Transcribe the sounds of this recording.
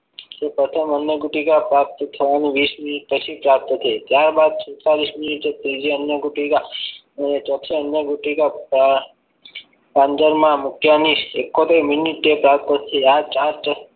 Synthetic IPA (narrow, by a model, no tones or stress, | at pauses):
d͡ʒepɾət̪ʰəmənjəɡuʈikapɾap̚t̪ət̪ʰəʋaniʋisminiʈ̚pət͡ʃʰipɾap̚t̪ət̪ʰeit̪jaɾbad̪̚sʰuwt̪aɾisminiʈet̪ɾid͡ʒiənjəɡuʈika | ənet͡ʃɔt̪ʰeənjəɡuʈika | pãnd͡ʒəɾmãmukjanisekːot̪eɾminiʈːepɾap̚t̪ət̪ʰiat͡ʃaɾt͡ʃ